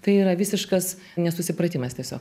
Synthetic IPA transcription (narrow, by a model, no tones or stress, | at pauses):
t̪ɐɪiːɾɐʋʲisʲɪʃkɐs | nʲɛsʊsʲɪpɾɐt̪ʲiːmɐst̪ʲiɛsʲo̰ːk